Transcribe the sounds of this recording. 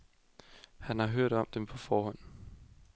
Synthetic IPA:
hænhɑ̈ɦøɐ̰ɾ̥ɒ̽m̰d̥empʰɒ̽fɒːɦɒ̽n̰

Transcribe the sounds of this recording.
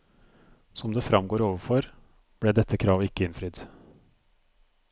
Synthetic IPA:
sɔmd̪eːfɾɑmɡoːɾoːʋəfɔɾ | b̥ɽeːd̪ɛt̪ʰːəkʰɾɑːʋɪkːəɪnfɾʏd̪

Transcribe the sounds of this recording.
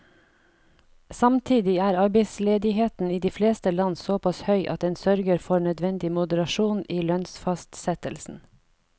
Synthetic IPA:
sɑmt̪ʰiːd̪ɪæːɾɑɾbeɪsleːd̪ɪheːt̪n̩iːd̪iːfleːst̪əlɑnsoːpʰɑshœʏʔɑ̰t̪ɛːnsœɾɡəɾfɔɾɳœd̪ʋɛnd̪ɪmʊd̪əɾɑʃuːniːlœnsfɑst̪sɛt̪əlsn̩

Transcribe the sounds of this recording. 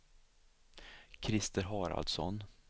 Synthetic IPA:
kʰɾɪst̪əɾɦɑːɾa̰ld̪sɔ̰n

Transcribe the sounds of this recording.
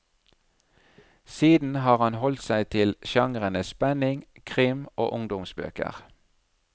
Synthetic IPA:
siːd̪n̩hɑːʁhɑnhɔlt̪sæɪt̪ʰɪlʃɑŋʁənəspɛnɪŋkʰʁɪmo̰ːʔʊŋd̪ʊmsbø̰ːkə̰ʁ

